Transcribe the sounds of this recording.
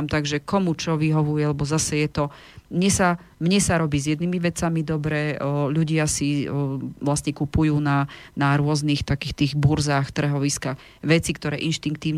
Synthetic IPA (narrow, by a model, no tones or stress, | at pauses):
mt̪aɡʒɛkɔmut͡ʃɔʋiɦɔʋujɛalɛbɔzasɛjɛt̪ɔ | mɲɛsa | mɲɛsaɾɔbiːzjɛd̪nimiʋɛt͡samid̪ɔbɾɛːʎuɟɪasi | ʋlast̪ɲɛkupujuːnanaɾʊɔznixt̪akiːxt̪iːɣbuɾzaːxt̪r̩ɦɔʋiskaːx | ʋɛt͡sikt̪ɔɾɛːʔinʃt̪iŋk̚t̪iːʊ